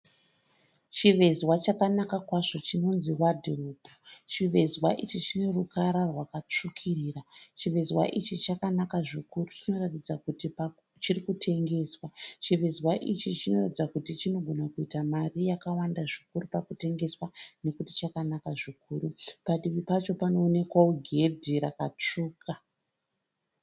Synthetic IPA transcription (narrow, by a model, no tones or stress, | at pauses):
t͡ʃiʋe̞zwat͡ʃakanakakwaʐo̞t͡ʃino̞nziwadʱiruːbʱut͡ʃiʋe̞zwaʔit͡ʃit͡ʃine̞rukaɾarwakat͡ʂukʰiriːrat͡ʃiʋe̞zwa̰ʔit͡ʃit͡ʃakanakaʐikurut͡ʃino̞ratid͡zakutip | t͡ʃirikutʰe̞ŋɡe̞ːswat͡ʃiʋe̞zwaʔit͡ʃit͡ʃino̞ratid͡zakutit͡ʃino̞ɡʱo̞nakuitamarijakawandaʐikuɾupakute̞ŋɡe̞swane̞kuti̥t͡ʃakanakaʐikuːɾupaɗiʋipat͡ʃo̞pano̞ːne̞kwaoɡʱe̞dʱiɾakat͡ʂuːka